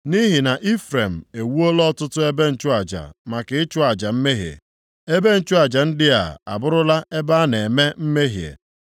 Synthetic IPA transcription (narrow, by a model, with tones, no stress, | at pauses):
ni˦ɦɪ˨na˨ʔi˦fɾe˨m̩˨e˨wu˦o˦lɔ˦tʊ˦tʊ˦e˦be˦n̩˨t͡ʃʊ˦a˨d͡ʒa̰˨ma˨kɪ˨ɪ˦t͡ʃʊ˦a˨d͡ʒa˨m̩˦me˦ɦjḛ˨ | e˦be˦n̩˦t͡ʃʊ˦a˨d͡ʒa˨n̩˦dɪ˦a̰˨a̰˨bʊ˦ɾʊ˦la˦ʔe˦ba˦ne˨me˦m̩˦me˦ɦjḛ˨